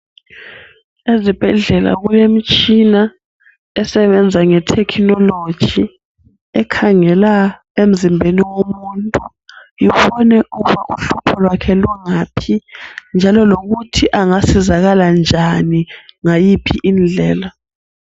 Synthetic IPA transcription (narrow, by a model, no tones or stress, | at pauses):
ezib̥ʱɛɮɛla̰ɣujem̩t͡ʃʼina | ɛsɛβɛnd͡zʱaŋɛtʰɛkʰnɔlo̥ʒ̥ʱi | ɛkʰaŋɛla | em̩zimbʱeniwomuntʼu | jiβɔnɛʔuɣuβaʔuɬupʰɔlwakʰɛluŋapʰind͡ʒʱalɔloɣutʰiʔaŋasizaɣaland͡ʒʱaniŋajipʰiʔind͡ɮʱɛːla